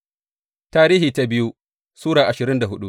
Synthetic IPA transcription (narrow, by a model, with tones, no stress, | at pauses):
taː˦ɾiː˦hiː˨ta˦bɪ˦ju˦ | suː˦ɽaː˨ʔa˨ʃɪ˨ɾɪ˦nda˨ɦʊ˦ɗu˦